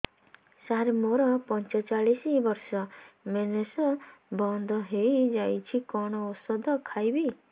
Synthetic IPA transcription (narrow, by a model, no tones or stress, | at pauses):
saɾemoɾɔpɔnt͡ʃɔt͡ʃaɭisibɔɾsɔmenesɔbɔnd̪ʱɔɦejd͡ʒajt͡ʃʰikɔɽ̃ɔosɔd̪ɔkʰajbi